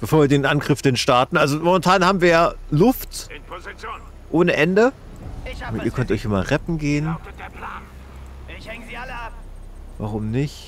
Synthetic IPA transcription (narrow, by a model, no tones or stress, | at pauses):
b̥əfoːɐviːɐdeːnʔanɡʁɪfd̥enʃtaɐtn̩ʔalzomomɛntʰaːnhaːbm̩viːɐjaːlʊft | ʔoːnəʔɛndə | mʔiːɐkʰœntʔɔʏçʔɪmɐʁɛpm̩ɡeːən | va̰ʁʊmnɪçt